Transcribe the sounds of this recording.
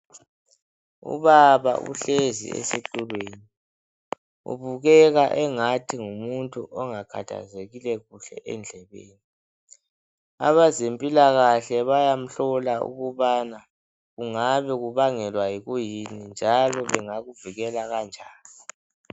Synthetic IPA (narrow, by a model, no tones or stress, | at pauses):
ṵβaβa̰ʔṵɬezḭḛsetʼulweːni | ṵβuɣɛɣaʔɛŋatʰiŋumuntʼuʔɔŋakʰa̰tʰa̰zeɣilɛɣuɬɛ̰ʔɛnd͡ɮʱɛβḛːni | a̰βazempʼilaɣaɬɛβajam̩ɬɔlaṵɣuβana | ɣuŋaβɛɣuβaŋɛlwajiɣujinind͡ʒʱalɔβɛŋaɣuviɣɛlaɣand͡ʒʱaːli